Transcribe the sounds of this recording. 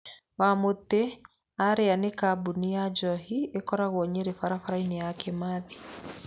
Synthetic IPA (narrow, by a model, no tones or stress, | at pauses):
wamot̪e | aɾeanekabuniad͡ʒɔɦiekɔɾaɣwɔɲeɾefaɾafaɾainɛjakɛmaði